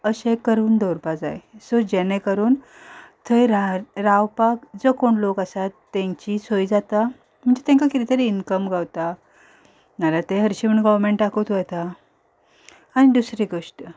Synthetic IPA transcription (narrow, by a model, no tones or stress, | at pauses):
əɕẽkəɾuːnd̪əwɾpad͡za̰jsod͡ʑɛnẽkəɾuːn | t̪ʰəjɾaɾawpakd͡zəkoɳlokasat̪ːɛ̃ɲt͡ɕisojd͡zat̪a | m̤əɳd͡zet̪ɛ̃ŋkakit̪it̪əɾiinkəmɡawt̪a | nalat̪eɦəɾɕiməɳɡɔʋmeɳʈakot̪ʋəjt̪a | añid̪usɾeɡoʂʈə